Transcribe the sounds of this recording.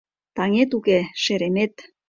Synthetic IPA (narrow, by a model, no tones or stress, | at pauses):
t̪ɑŋet̪ukeʃeɾemet̪